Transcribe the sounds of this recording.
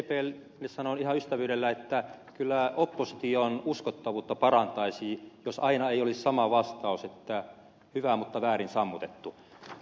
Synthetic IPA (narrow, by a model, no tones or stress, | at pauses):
epeːl | nessɑnonihɑyst̪æʋyːɾelːæet̪ːækylːæopːosi̥t̪ionuskot̪ːɑʋuːt̪ːɑpɑrɑnt̪ɑisiːjosɑinɑeiolissɑmɑʋɑst̪ɑuset̪ːæ | hyʋæmut̪ːɑʋæːrinsɑmːut̪et̪ːu